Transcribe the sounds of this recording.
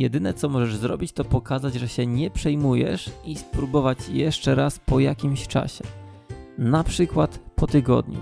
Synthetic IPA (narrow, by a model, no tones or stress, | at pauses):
jɛd̪ɘnɛt̪sɔmɔʐɛʐzɾɔ̰bʲit͡ɕt̪ɔpɔkazad͡ʑʐɛɕɛɲɛpʂɛjmujɛ̰ʂʔispɾubɔvat͡ɕjɛʂt͡ʂɛɾaspɔjakʲimɕt͡ʂa̰ɕɛ | napʂɘkwat̪pɔt̪ɘɡɔ̰d̪ɲṵ